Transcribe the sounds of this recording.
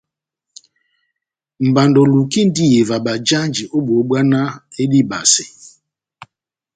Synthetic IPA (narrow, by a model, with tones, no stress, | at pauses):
m̩˨ba˨ndo˨lu˨ki˦n̩˦di˦je˨va˨ba˨d͡ʒa˦nd͡ʒi˨ʔo˦bo˨o˨˦ɡ͡ba˦na˦e˦di˦ba̰˨sɪ˨